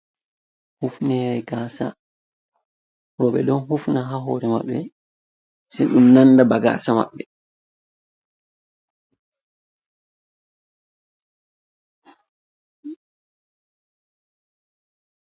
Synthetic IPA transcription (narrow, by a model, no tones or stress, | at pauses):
hufnɛɾɛkaːsa̰ | ɾɔɓɛdɔnɦufnaɦaɦɔːɾɛma̰ɓːɛ | siɗumnanːdabaɡa̰ːsama̰ɓːɛ